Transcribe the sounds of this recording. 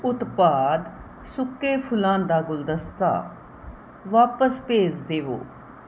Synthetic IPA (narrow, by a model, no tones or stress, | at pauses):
ʊt̪paːd̪ | sʊkːeːpʰʊlãːnd̪aːɡʊld̪əst̪a̰ː | ʋaːpəspeːd͡ʒd̪eːʋo̰ː